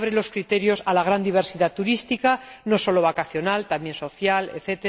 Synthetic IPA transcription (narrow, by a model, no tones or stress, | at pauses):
βɾelo̞skɾit̪e̞ɾjo̞salaɣ̞ɾand̪iβ̞e̞ɾsiðat̪uɾist̪ikano̞so̞lo̞βakaθjo̞nalt̪amje̞nso̞θjaleθet̪e